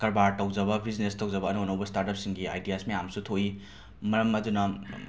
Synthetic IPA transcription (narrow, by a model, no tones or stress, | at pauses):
kɐɾbaɾtɐwd͡ʒɐbɐbiznestɐwd͡ʒɐbɐːnownowbɐstaɾtɐp̚siŋɡia̰jdijasmɐjamsutʰoi | mɐɾɐmɐdunɐ